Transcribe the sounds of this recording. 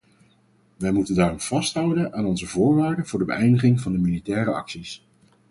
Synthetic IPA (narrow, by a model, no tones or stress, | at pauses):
ʋɛjmutəndaːrɔmv̥ɑstɦʌwdənʔaːnɔnzəvʊːɹʋaːɹdəvʊːɹdəbə̰ʔɛjndəχɪŋvɑndəmilitɛːɾəɑ̰ksis